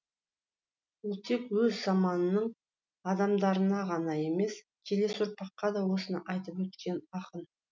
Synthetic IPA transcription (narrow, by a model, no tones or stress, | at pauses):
wolˠt̪ʰe̞kwɵzzɑmɑnənəɴ | ɑd̪ɑmd̪ɑɾənɑʁɑnɑje̞me̞s | kʲʰele̞sʊɾpɑqːɑd̪ɑwo̞sənəʔɑjt̪əpwɵt̪kʲe̞nɑqən